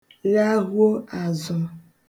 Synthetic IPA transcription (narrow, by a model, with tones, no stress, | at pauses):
la˦ɣo˦a˨zɔ˨